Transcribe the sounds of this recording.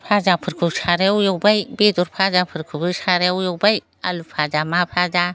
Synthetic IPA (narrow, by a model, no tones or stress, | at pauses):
pʰad͡ʒapʰɯɾkʰut͡ʃʰaɾewjowbajbed̪uɾpʰad͡ʒapʰɯɾkʰupʰut͡ʃʰaɾɛwjowbaj | a̰lupʰad͡ʒamapʰad͡ʒa